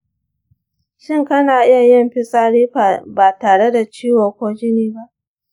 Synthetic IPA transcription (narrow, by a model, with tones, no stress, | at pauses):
ʃɪ˦ŋkɐ˦naː˨ʔɪ˦ja˨jɐ˦mɸɪ˦sʼaː˦ɽiː˦˨baː˨taː˨ɽe˦da˨t͡ʃiː˦wo˨kʷoː˦d͡ʒɪ˦niː˦ba˦ʔ